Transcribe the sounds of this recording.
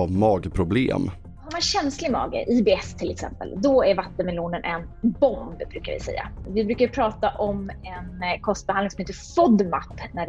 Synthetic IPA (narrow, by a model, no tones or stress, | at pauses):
avmɑːɡpʰɾʊblḛːm | hmanɕɛnslɪmɑ̰ːɡə̰ʔibeːɛst̪ʰɪlɛksɛ̰mpə̰ld̪ɔæɾvat̪ːənmɛluːnənʔɛn | bɔnd̪bɾʉ̟ːka̰ɾvɪ̰sɛ̰jːa̰vɪbɾʉ̟ːkajpʰɾɑːt̪aʔɔmɛnkʰɔst̪̚bɛhanɪŋsɔmheːt̪ːəfɔd̪ma̰pːnæ